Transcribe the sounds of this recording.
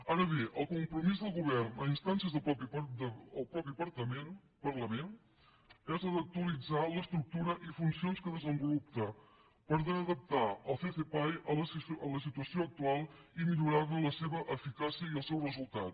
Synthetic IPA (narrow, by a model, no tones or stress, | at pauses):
aɾəβ̞eʔəlˠkumpɾumizðəlˠɣuβ̞ɛrnəinst̪ansjəzðəppid̪əlˠpɾɔpipəɾt̪əmen | pərləmen | ɛzəðək̚t̪uəlid͡zaləst̪ɾuk̚t̪uɾəʔifunsionskəðəzəmbulup̚t̪ə | pəɾðəːðəp̚t̪aəlˠfefepajəələsit̪uəsioək̚t̪ualˠimiʎuɾaβələseβəʔəfikasiəiəlˠsɛwrəzulˠt̪at̪